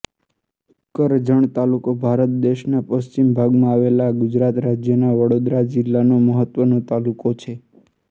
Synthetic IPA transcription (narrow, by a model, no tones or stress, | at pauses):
kəɾd͡ʒəɳ̃t̪alukobʱaɾət̪̚d̪eʃnapəst͡ʃimbʱaɡmãaʋelaɡʊd͡ʒɾat̪ɾad͡ʒjənaʋəɽod̪ɾad͡ʒɪlːanoməɦət̪ʋənõt̪alukot͡ʃʰe